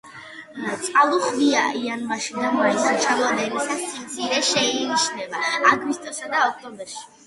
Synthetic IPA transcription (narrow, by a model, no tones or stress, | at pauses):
t̪sʼqʼalˠuχviaʔianmaʃid̪d̪amɔisat͡ʃʰʼilanɛlisasimt̪sʰiɾɛʃɛiniʃnɛbaaɡwist̪ʼɔsad̪aɔk̚ʰt̪ʼɔmbɛɾʃi̥